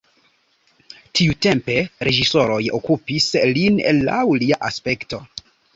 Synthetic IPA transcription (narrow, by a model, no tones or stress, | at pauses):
tiute̞mpe̞ɾe̞d͡ʒiso̞ɾo̞jo̰kupislinḛlːa̰wliaʔaspe̞kto̞